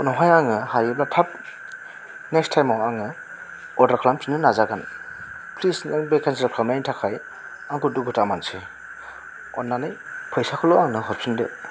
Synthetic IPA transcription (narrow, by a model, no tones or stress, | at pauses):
ɔnɔɦajaŋɯhajɯblatʰap̚ | nekstʰajmawaŋɯ | ɔdaɾkʰlampʰinɯnazaɡan | pʰlisnaŋbekʰansidakʰlamajntʰakʰaj | aŋkuduɡutamanse | ɔnːanajpʰɯjsakʰɔlɔaŋnɯɦɔpʰindḛ